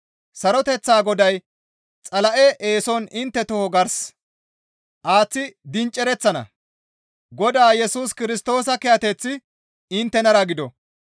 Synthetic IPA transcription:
sɐɾɔt̪ɛt͡sːaːɡɔd̪ɐj | t͡sʼɐlɐʔɛʔeːsɔnɪnt̪ːɛt̪ɔhɔɡɐɾs | ʔaːt͡sːɪd̪ɪnt͡ʃʼːɛɾɛt͡sːɐnɐ̰ | ɡɔd̪aːjɛsuːskɪɾɪst̪o̞ːsɐkɛjɐt̪ɛt͡sːɪ | ɪnt̪ːɛnɐɾɐɡɪd̪ɔ

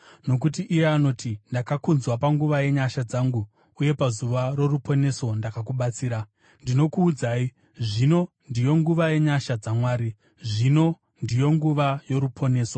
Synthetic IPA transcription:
no̞k̬ut̬iʔijeano̞tʰindakakunzwapaŋɡuʋaje̞ɲaʃad͡zaŋɡu | uje̞pazuʋaɾo̞rupo̞ne̞so̞ndakakuɓat͡siːɾa | ndino̞kuːd͡zaːi | ʐino̞ | ndijo̞ŋɡuʋaje̞ɲaʃad͡zamwaːɾi | ʐino̞ | ndijo̞ŋɡuʋajo̞ɾupʰo̞ne̞ːso

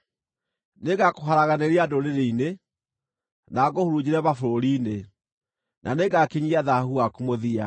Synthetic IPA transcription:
neɣakoɦaɾaɣaneɾiadoɾeɾeine | naɣohoɾud͡ʑiɾɛβafoɾoɾiːne | nʔa̰neɡakiɲiaðahuakumoðia̰

